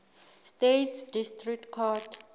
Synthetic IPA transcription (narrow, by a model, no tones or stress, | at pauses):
stetʰsdistrik̚tkʰɔt